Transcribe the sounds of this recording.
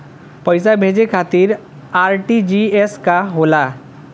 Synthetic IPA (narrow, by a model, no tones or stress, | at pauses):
pəjsabʱed͡ʒekʰat̪iɾ | aɾʈid͡ʒieskaɦola